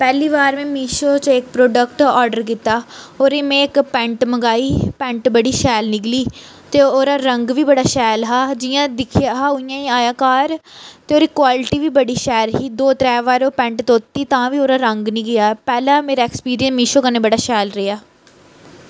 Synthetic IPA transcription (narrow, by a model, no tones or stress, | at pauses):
pɛːliːʋaːɾmẽːmiːʃoːt͡ʃɪk̚pɾoːɖəkʈɔːɾɖəɾkiːt̪aːoːɾeːmẽːɪkpɛ̃ɳʈməɡaːiːpɛ̃ːɳʈbəɽiːʃɛːlnɪkliː | t̪eːoːɾaːɾəŋɡʋiːbəɽaːʃɛːlɦaːd͡ʒɪːjãːd̪ɪkʰɪjaːɦaːʊijãːiːaːjaːkaːɾt̪eːoːɾɪkːʋaːlɪʈiːʋiːbəɽiːʃɛːlɦiːd̪oːt̪ɾɛːʋaːɾoːpɛ̃ɳʈt̪oːt̪ːiːt̪ãːʋiːoːɾaːɾəŋɡnĩːɡɪjaːpɛːlãːmeːɾaːɛkspiːɾiənmiːʃoːkənẽːbəɽaːʃɛːlɾejaː